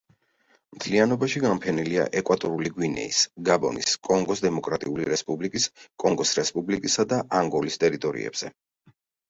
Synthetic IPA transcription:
mt̪ʰlianɔbaʃiɡampʰɛnilia̰ʔɛkʼwat̪ʼɔɾuliɡwinɛ̰isɡabɔ̰niskʼɔŋɡɔsd̪ɛmɔkʼɾat̪ʼiuliɾɛspʼublikʼiskʼɔŋɡɔsɾɛspʼublikʼisad̪aʔaŋɡɔlist̪ʼɛɾit̪ʼɔɾḭɛ̰b̥z̥ɛ

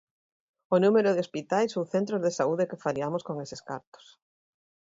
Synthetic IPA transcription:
onumeɾoð̞ɪospit̪ajsowθent̪ɾozðesauðekɪfaɾiamoskoŋesɪska̰ɾt̪o̥s

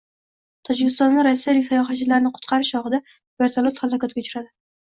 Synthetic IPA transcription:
t̪ʰɒd͡ʒɪkʲɪst̪ɒnd̪aɾasːijalɪkʲsajɒχat͡ʃʰɪlaɾnɪqʰʊ̥t̪qʰɑɾɪʃɒʁɨd̪a | v̥e̞ɾt̪ʰalˠot̪χalˠɒkɒt̪̚ɡʲaʊt͡ʃʰɾad̪ɪ

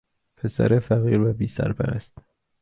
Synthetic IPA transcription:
pʰesæ̰ɾefæɣiːɾvæbiːsæ̰ɾbæ̰ɾæ̰st̪

